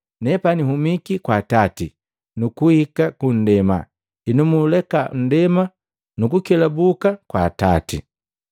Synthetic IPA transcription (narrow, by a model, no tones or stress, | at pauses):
nɛpaniɦumikikwaːtatḭ | nukuhikakun̩dɛma̰ | inumulɛkan̩dɛma | nukukɛlabukakwaːtatḭ